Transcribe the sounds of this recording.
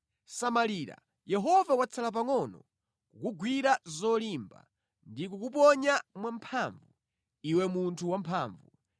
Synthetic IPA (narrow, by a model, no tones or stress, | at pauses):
samaliːɾa̰ | jɛɦɔvawat͡sʰalap̬aŋɔnɔ | kukuɡwiɾazɔlimba̰ | ndikukupɔɲamwampʰaːɱvu | iwɛmuntʰuwampʰaːɱvu